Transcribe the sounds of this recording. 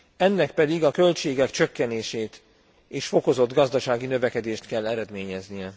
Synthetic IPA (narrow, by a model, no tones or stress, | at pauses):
ɛnːɛk̚pɛd̪iɡɒkø̞lt͡ʃeːɡɛkt͡ʃø̞kːɛneːʃeːt̪ | eːʃfo̞ko̞zo̞d̪ɡɒzd̪ɒʃaːɡinø̞vɛkɛd̪eːʃt̪kɛlːɛɾɛd̪meːɲɛznijɛ